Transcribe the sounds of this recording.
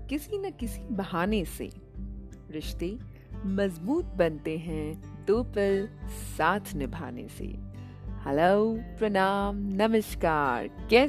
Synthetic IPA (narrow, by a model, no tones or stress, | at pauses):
kɪsinɐkɪsibɐɦaːnesḛ | ɾɪʃt̪e | mɐzbuːt̪̚bɐnt̪eɦɛ̃d̪oːpəlsaːt̪ʰnɪbʱa̰ːnḛsḛː | hɐloːpɾɐnaːmnɐməʃkaːɾkɛː